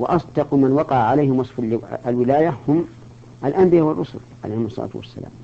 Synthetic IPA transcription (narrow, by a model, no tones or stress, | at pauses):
wɑ̰ʔɑsd̪ɑqumanwɑqɑʕaʕalajhɪmwɑsˤfalalwɪlaːjahʊm | ʔalʔambɪjawɑrˤːʊsʊ̰lʕa̰lḛjhɪmɑsˤːɑ̰a̰ːt̪wa̰sːa̰la̰ːm